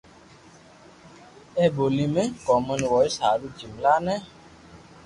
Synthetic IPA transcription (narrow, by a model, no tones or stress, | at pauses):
ɛbolimɛkɔmənwɔisadud͡ʒimlanɛ